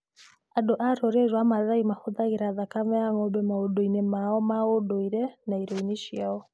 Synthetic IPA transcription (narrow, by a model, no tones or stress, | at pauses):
adoʔaɾoɾeɾwamaðaimahoðaɣeɾaðakamɛaŋɔbɛmaodoinɛmaɔmaodoiɾɛnaiɾoniʃjaɔ